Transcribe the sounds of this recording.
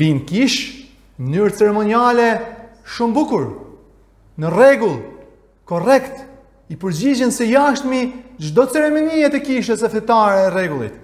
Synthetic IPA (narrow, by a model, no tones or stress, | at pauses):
vinkiʃ | mənyɾt͡sɛɾɛmɔnialɛʃumbukuɾ | nərɛɡulˠ | kɔrɛkt̪ | ipəɾd͡ʑid͡ʑənsɛjaʃt̪miʒd̪ɔt͡sɛɾɛmɔniɛt̪ɛkiʃ̬əsɛθɛt̪aɾɛːrɛɡulˠḭt̪